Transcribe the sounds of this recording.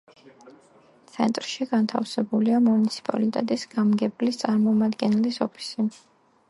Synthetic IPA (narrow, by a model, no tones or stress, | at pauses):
t̪sʰɛnt̪ʼɾʃiɡant̪ʰa̰fsɛbuliamunit̪sʰi̥pʼa̰lit̪ʼɛt̪ʼisɡ̥amɡɛblist̪sʼaɾmɔmad̪ɡɛnɛlisɔpʰi̥si